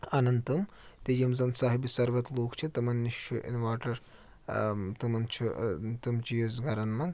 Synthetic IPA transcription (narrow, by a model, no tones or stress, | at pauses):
ɐnɐnt̪ɐm | t̪ejɐmzɐnsaːɦibisɐɾʋɐt̪loːkt͡ʃʰit̪ɐmɐnːiʃjuʔḭnʋaːʈɐɾ | t̪ɐmɐnt͡ʃʰut̪ɨmt͡ʃijozɡɐɾɐnmɐŋɡ